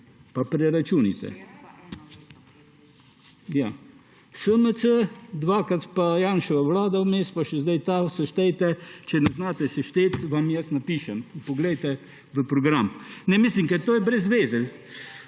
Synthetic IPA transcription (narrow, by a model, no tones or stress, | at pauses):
papɾɛɾat͡ʃunḭt̪ɛ̰ | ja | səmət͡səd̪vakat̪pajanʃəvɛvlad̪aumɛspaʃəzd̪ɛjt̪asəʃt̪ɛt̪ɛt͡ʃənəznat̪ɛsiʃt̪ɛt̪vamijɛsnəpiʃəmpuɡlɛt̪ɛ | ðəpɾɔɡɾamnɛmisiŋkɛt̪ɔjbɾɛzvɛzil